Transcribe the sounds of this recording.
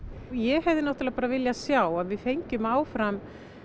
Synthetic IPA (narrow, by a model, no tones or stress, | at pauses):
jɛhɛvðɪnɔht̪lɛːɣapaːɾavɪljasjaːwaðvɪðfejɲcʏmaːwfɾam